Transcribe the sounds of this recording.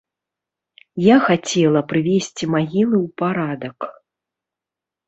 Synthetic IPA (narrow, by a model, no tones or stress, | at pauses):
jaxat͡sʲɛlˠɐpɾɨvʲesʲt͡sʲimaɣʲilˠɨwpaɾad̪ɐk